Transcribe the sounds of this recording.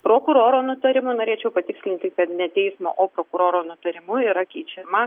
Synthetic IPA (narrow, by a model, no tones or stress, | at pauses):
pɾoːkʊɾoːɾoːnʊt̪ɐɾʲɪmʊnoːɾʲeːt͡ʃʲɛʊpɐt̪ʲɪksʲlʲɪnʲt̪ʲɪkɐt̪nʲɛt̪ʲɛɪsmo̰ːʔoːpɾoːkʊɾoːɾoːnʊt̪ɐɾʲɪmʊiːɾɐkʲɛɪt͡ʃʲɛmɐ